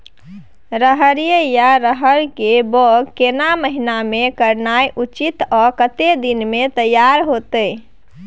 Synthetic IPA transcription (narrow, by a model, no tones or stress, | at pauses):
ɾəɦəɾijəjaɾəɦəɾkebɔɡkenaməɦinamekəɾnajʔut͡ʃit̪ɔkət̪ed̪inmet̪əjːaɾɦot̪əj